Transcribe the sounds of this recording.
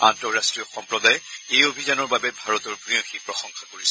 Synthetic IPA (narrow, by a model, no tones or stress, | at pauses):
ãntɔɹastɹijɔxɔmpɹɔd̪ajejobʱizanɔɹbabɛbʱaɹɔt̪ɔɹbʱɹiõxipɹɔxɔŋxakoɹisɛ